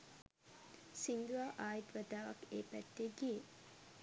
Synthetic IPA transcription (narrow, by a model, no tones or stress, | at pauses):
sind̪uʋaːʔaːjit̪ʋæd̪aːʋakeːpæt̪ːeɡije